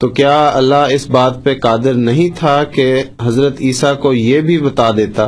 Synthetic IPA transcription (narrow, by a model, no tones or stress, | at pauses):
t̪oːkjaːɐlːaɦɪsbaːt̪̚peqaːd̪ɪɾnɐɦĩt̪ʰakeɦɐzɾət̪iːsakojebʱibɐt̪ad̪eːt̪aː